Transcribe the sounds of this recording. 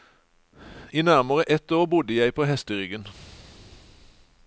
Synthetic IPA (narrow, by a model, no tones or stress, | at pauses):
iːnæʁməʁəʔɛt̪oːʁbʊd̪əjæɪpʰoːhɛst̪əʁʏɡən